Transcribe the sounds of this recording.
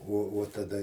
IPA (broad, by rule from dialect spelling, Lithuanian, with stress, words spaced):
uɔ uɔ tɐˈdɐ